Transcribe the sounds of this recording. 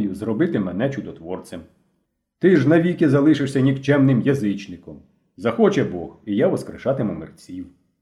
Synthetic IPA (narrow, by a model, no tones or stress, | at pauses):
jʊzrɔbɪt̪ɪmɛnɛt͡ʃʊd̪ɔt̪ʋɔrt͡sʲɐm | t̪ɪʒnɐʋʲikɪzɐlˠɪʃɪʃsʲɐnʲikt͡ʃɛmnɪmjɐzɪt͡ʃnɪkɔm | zɐxɔt͡ʃɛbɔhijaʋɔskɾɪ̰ʃɑt̪ɪmʊmɪ̰rt͡sʲiw